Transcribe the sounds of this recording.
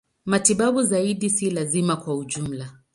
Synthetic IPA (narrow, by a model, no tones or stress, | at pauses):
matiɓaɓuzaiɗisilazimakwauʄum̩la